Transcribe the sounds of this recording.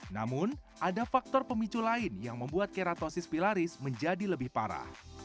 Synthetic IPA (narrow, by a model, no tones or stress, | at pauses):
na̰mʊnʔadafak̚t̪ɔrpəmit͡ʃulaɪnjaŋməmbuat̪̚keɾat̪osɪspilaɾɪsməɲd͡ʒadiləbɪhpa̰ɾa̰h